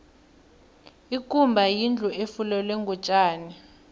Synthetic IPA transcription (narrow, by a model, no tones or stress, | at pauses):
ikʼumbʱajind͡ɮʱuʔefulɛlweŋɡʱut͡ʃʼaːni